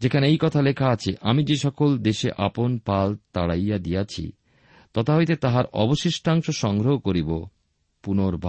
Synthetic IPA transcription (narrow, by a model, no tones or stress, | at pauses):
d͡ʑekʰaneejkɔt̪ʰalekʰaat͡ɕʰeʔamid͡ʑeʃɔkold̪eʃeʔaponpalt̪aɽajːad̪ijat͡ɕʰḭ | t̪ɔt̪aɦojt̪et̪aɦaɾɔ̰boʃiʃʈʰaŋʃoʃɔŋɡɾoɦokoɾibo | punoɾbʱa